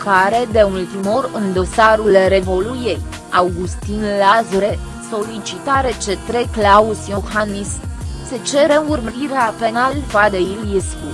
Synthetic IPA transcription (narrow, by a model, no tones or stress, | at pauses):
kaɾe̞d̪e̞ult̪imo̞ɾɨnd̪o̞saɾulɾe̞vo̞luje̞j | awɡust̪inlazɾe | so̞lit͡ʃit̪aɾe̞t͡ʃe̞t̪ɾe̞klausijoxanisse̞t͡ʃe̞ɾe̞urməɾiɾeape̞nalfad̪eiljesku